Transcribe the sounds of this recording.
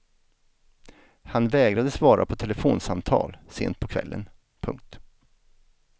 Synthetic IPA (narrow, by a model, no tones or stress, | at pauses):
hanvɛːɡɾad̪əsvɑːɾʔa̰pʰɔt̪ʰɛlɛfoːnsamt̪ʰɑ̰ːlsḛːnt̪̚pʰɔkʰv̥ɛ̰lːə̰n | pʰɵ̰ŋk̚t̪